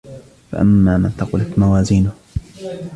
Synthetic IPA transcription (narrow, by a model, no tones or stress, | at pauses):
fa̰ʔa̰mːaːnant̪aqɪlak̪mawaːziːnʊh